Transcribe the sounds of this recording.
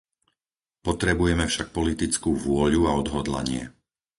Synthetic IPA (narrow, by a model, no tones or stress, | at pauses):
pɔt̪ɾɛbujɛmɛfʃak̚pɔlit̪it͡skuːʋʊɔʎuaɔd̪ɦɔd̪la̰ɲɪɛ̰